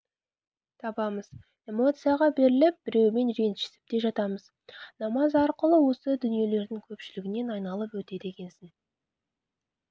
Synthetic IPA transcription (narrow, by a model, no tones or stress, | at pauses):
t̪ʰɑbɑməz | e̞mo̞t̪sijaʁɑbe̞ɾɪlɪp̚bɪɾe̞wme̞nɾe̞nt̪ʃɪ̥sɪ̥p̚d̪e̞ʒɑt̪ɑməz | nɑmɑzɑɾqəlˠəwo̞səd̪ʏnije̞le̞ɾd̪ɪŋkʲʰɵpʃɪlɪɡʲɪne̞nɑjnɑlˠəpwɵt̪e̞d̪e̞kʲe̞nsɪn